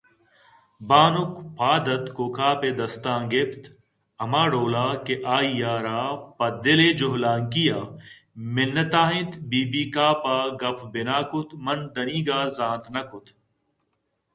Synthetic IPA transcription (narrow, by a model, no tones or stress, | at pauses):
baːnʊkpaːd̪ɐt̪koːkʰaːped̪ɐst̪ãːɡept̪ | ɐmaːɽoːlaːkeʔaːijaːɾaːpɐd̪ɪleːd͡ʒʊɦlaːŋkijaː | mɪnːɐt̪aːɦɪ̃t̪biːbiːkaːpaːɡɐpʰbɪnaːkʊt̪mɐnd̪ɐniːɡaːzãːnt̪nɐkʊt̪